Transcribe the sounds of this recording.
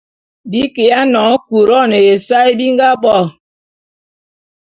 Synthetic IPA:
bi˦ke˨a˦nɔ˨˦ŋ˦ku˨ɾɔ˦ne˨je˨sa˦i˦bi˦ŋɡa˦bɔ˦˨

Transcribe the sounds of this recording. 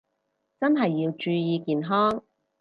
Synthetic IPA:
t͡sɐ˥nɦɐ˨jːiː˧wt͡ʃyː˧jiː˧kiː˨nɦɔː˥ŋ

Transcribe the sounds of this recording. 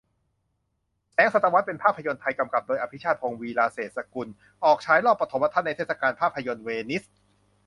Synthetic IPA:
t͡ɕʰɛː˨˦˥ŋsa˨˩t̪ːa˧wa˦˥t̪̚pe˧npʰaː˥˩pʰːa˧jo˧nt̪ʰa˧jka˧mka˨˩p̚doː˧jʔa˧pʰi˦˥t͡ɕʰaː˥˩t̪̚pʰoː˧ŋwiː˧laː˧seː˨˩t̪̚sa˧ku˧n | ʔɔː˨˩k̚t͡ɕʰaː˦˥jlɔː˥˩pːɾa˧t̪ʰo˩˦mwaː˧t̪ʰa˥˩nːa˧t̪ʰeː˥˩sa˧kaː˧npʰaː˥˩pʰːa˧jo˧nweː˧ni˦˥s

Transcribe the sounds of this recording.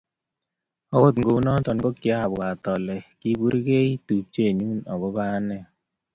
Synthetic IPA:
ɔ˨wo˦tŋɡo˨˦nɔ˦tɔ˨n˦ɡo˦kɪ˨a˦˨bwa˨tɔ˨lɛ˨ki˦bu˦ɾi˦ke˦i˦tu˨p̚t͡ʃe˦˨ɲu˦nɔ˨ɡɔ˦ba˦nɛ˦˨

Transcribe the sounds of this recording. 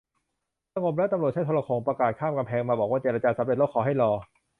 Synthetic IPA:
sa˧ŋo˧p̚lɛ˦˥t̪a˧mɾu˨˩t̚t͡ɕa˥˩t̪ʰo˧la˧kʰoː˧ŋpɾa˧kaː˨˩t̪̚kʰaː˥˩mka˧mpʰɛː˧ŋmaː˧bɔː˨˩kwaː˥˩t͡ɕeː˧ɾa˧t͡ɕaː˧sa˨˦mɾe˨˩lo˦˥kʰːɔː˨˩ɦa˥˩jlɔː˧

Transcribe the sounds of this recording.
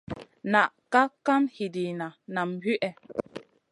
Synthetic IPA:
na˨ʔka˦ka˦mhi˨di˨na˨na˨mhi˦ʔɛ˨

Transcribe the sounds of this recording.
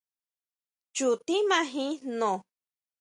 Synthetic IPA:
t͡ʃu˨t̪i˦mã˦ɦĩ˦nõ˨

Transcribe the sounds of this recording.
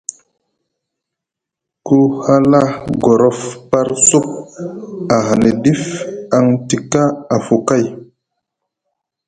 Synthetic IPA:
ku˦ha˦la˦ɡo˨ɾɔ˦fpa˦ɾsu˦p̚ | a˨ɦa˨ne˨di˦fa˦ŋti˨ka˦a˨fu˨ka˦˨j

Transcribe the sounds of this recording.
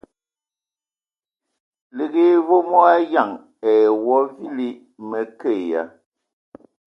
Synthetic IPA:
le˨ɣe˦˨vo˦mɔ˦a˦ja˦˨ŋ | ɛ˨wɔ˦vi˦li˦ | mɛ˨ke˦˨ja̰˨˦

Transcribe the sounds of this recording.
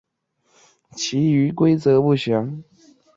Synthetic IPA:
t͡ɕʰi˧˥y˧˥kwe˥ɪt͡sɤ˧˥pu˥˩ɕjɑ˧˥˦ŋ

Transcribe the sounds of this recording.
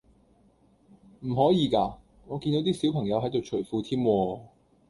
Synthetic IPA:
m̩˨˩ɦɔː˨˥jiː˨˧kaː˧ | ŋɔː˨˧kiː˧nt̪o˨˥wt̪iː˥si˨˥wpʰɐ˨˩ŋjɐ˨˧wɦɐ˨˥jt̪o˨wt͡ʃʰɵ˨˩jfuː˨˧t̪ʰiː˥mwɔː˧

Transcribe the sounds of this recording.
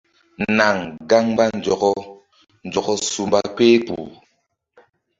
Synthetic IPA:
na˨ŋɡa˦ŋba˦n˨d͡ʒɔ˨ɡɔ˦ | n̩˨d͡ʒɔ˨ɡɔ˦su˨mba˦k͡pe˦kṵ˨

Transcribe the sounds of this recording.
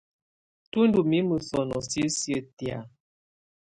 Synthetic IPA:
tu˦ndu˨mi˦mə˨sɔ˨nɔ̰˨si˦sjə˦tja̰˨

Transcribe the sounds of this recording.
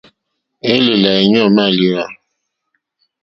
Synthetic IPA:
e˦le˨la˨e˨ɲ˦ɔ˦˨ma˦˨li˦a˨

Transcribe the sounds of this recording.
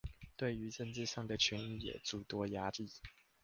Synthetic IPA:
t̪we˥˩ɪy˧˥ʈ͡ʂə˥˧nt͡sɻ̩˥˧ʂɑ˥˩ŋd̪ə˩t͡ɕʰy˧˥ni˥˩jɛ̰˨˩t͡su˥˩t̪wɔ˥ja˥li˥˩

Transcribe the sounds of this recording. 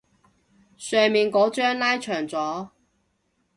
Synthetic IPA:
sœː˨˧miː˨nkɔː˨˥t͡ʃœː˥ŋlaː˥jt͡ʃʰœː˨˩ŋt͡sɔː˨˥

